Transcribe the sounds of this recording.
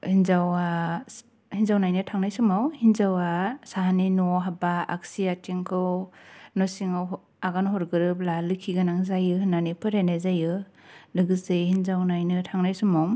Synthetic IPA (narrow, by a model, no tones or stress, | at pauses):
hinzawa | hinzawnajnɯtʰaŋnajsumawhinzawasahaninɔɦabaa̰k̚siatʰiŋkʰɯwnɔsiŋaw | aɡanɦɔɾɡɯɾɯp̚lalɯkʰːiɡanaŋzajɯhɯnanipʰɯɾenazajɯ | lɯɡɯsehinzawnajnɯtʰaŋnajsumaw